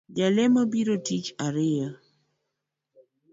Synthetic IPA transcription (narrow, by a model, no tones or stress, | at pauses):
d͡ʒalɛmabiɾotit͡ʃaɾɪa